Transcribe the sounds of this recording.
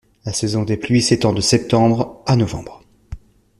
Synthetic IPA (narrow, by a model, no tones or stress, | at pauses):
lasɛzɔ̃d̪eplɥiset̪ɑ̃d̪əsɛp̚t̪ɑ̃bʁanɔvɑ̰̃bʁ